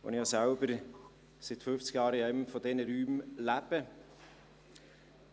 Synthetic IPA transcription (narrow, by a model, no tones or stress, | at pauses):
ɔ̰nihɑsaʊbəɾ | sɪt̪fʏft͡sɡ̥jɑːɾəɛmfɔd̪ɛnəɾyːmlæpə